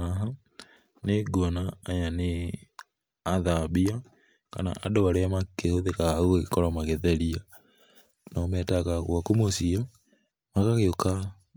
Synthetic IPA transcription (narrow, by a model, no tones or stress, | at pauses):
aɦa | neɡɔnaːjane | aðabia | ka̰na̰ʔadowaɾeamakehoðekaɣoekɔɾɔmaɣeðɛɾia | nɔmɛːtaɣaɣwakomosia | maɣaɣeoka